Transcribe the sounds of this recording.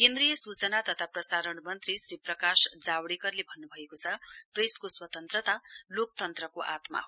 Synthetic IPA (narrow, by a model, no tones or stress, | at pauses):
kend̪ɾijʌsut͡sʌnat̪ʌt̪ʰaprʌsaɾʌɳmʌnt̪risriprʌkasd͡zawɽikʌrlebʱʌnːubʱʌekot͡sʰʌpreskoswʌt̪ʌnt̪rʌt̪alok̚t̪ʌnt̪rʌkoʔa̰t̪ma̰ɦo